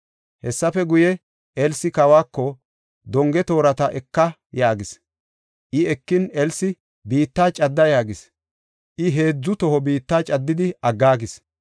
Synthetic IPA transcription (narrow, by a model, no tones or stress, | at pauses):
hɛsːɐfɛɡʊjɛ | ɛlsɪkɐwaːkːɔ | d̪ɔŋɡɛt̪o̞ːɾɐt̪ɐʔɛkːɐ | jaːɡɪs | ʔɪɛkːɪnɛlsɪ | biːt̪ːaːt͡ʃʼɐd̪ːɐjaːɡɪs | ʔɪɦe̞ːd͡zːʊt̪ɔɦɔbiːt̪ːaːt͡ʃʼɐd̪ːɪd̪ɪɐɡːaːɡɪs